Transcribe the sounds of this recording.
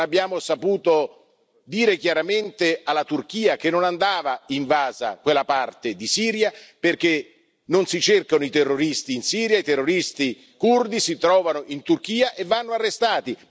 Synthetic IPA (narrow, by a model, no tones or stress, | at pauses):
abːjaːmosapuːt̪o | d̪iːɾek̟jaɾament̪ealːat̪urk̟iːak̟enːonand̪aːvaiɱvaːza̰kwelːapart̪ed̪isiːɾjaperk̟e | nonsit͡ʃerkanoit̪erːoɾist̪iːnsiːɾjait̪erːoɾist̪i | kurd̪isit̪ɾɔːvanoʔint̪urk̟iːaʔevːanːoarːest̪aːt̪i